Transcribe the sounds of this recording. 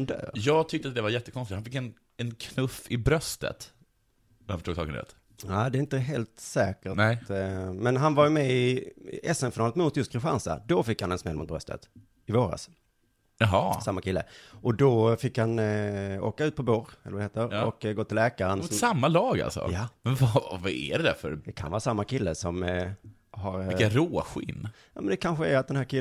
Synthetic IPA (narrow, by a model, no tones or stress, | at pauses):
nd̪œ̰ːɾjɑːɡ̚t̪ʰʏk̚t̪əat̪̚d̪ɛvajɛt̪ːəkʰɔnsɪt̪hanfɪkːɛn | ɛnkʰnɵfɪbɾœst̪ə̰t̪ | afœ̥ʂʈuːɡsɑ̰ːkənd̪ɛ̰t̪ | aːd̪ɛɪnt̪əɦeːlt̪sɛːkəɾnɛmɛnɦanvajmɛɪɛsɛmfɪnɑːlət̪mʊt̪jɵst̪kʰɾɪɧa̰nsa̰d̪ɔfɪkːhanɛnsmɛlmʊt̪bɾœst̪ə̰t̪ | ɪvoːɾa̰s | jaɦɑsamːakʰɪlːə̰ʔɔd̪ɔfɪkhano̰ːkaʉ̟t̪pʰɔbuːɾɛ̰lːvadheːt̪əɾɔkɡoːt̪ɪllɛːkaɾənsamːalɑːɡa̰lsɔ̰jamɛnvavaæ̰ɖɛd̪æ̰fœ̰ɾd̪ɛkʰanvɑːɾasamːakʰɪlːəsɔm | ɦaɾkaɾoːɧɪnːja̰ːmɛnd̪ɛkʰanɧəæɾat̪̚d̪ɛnæːɾkʰɪ